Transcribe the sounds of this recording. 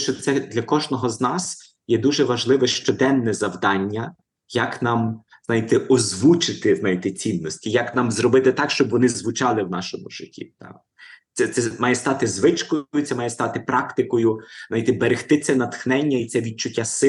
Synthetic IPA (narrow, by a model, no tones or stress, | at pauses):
ʃt͡ʃɔt̪sɛd̪lʲɐkɔʒnɔɦɔznɑs | jɛd̪uʒɛʋɐʒlˠɪʋɛʃt͡ʃɔd̪ɛnːɛzɐwd̪ɑnʲːɐ | jɐknɑm | znɑjit̪ɛʔɔzʋut͡ʃɪt̪ɪznɑjit̪ɛt͡sʲinːɔsʲtʲijɐknɑmzɾɔbɪt̪ɪt̪ɑkʃt͡ʃɔbʋɔnɪzʋʊt͡ʃɑlˠɪwnɑ̰ʃɔmʊ̰ʒɪtʲḭd̪ɑ̰ | t̪sɛt̪sɛmɑjɛst̪ɑt̪ɪzʋɪt͡ʃkɔjʊt̪sɛmɑjɛst̪ɑt̪ɪpɾɑkt̪ɪkɔjʊzɑjit̪ɛbeɾɪxt̪ɪt̪sɛnɐt̪xnɛnʲːɐit̪sɛʋʲid̪̚t͡ʃʊtʲːasɪ